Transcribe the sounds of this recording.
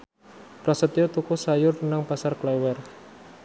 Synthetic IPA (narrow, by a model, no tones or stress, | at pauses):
pɾasət̪iot̪ukusajʊrnaŋpasarklɛwɛr